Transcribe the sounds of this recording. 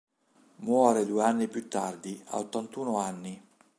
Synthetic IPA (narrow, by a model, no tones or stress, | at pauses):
mwɔːɾed̪ueanːipjut̪ːard̪ia̰ot̪ːant̪uːnoanːi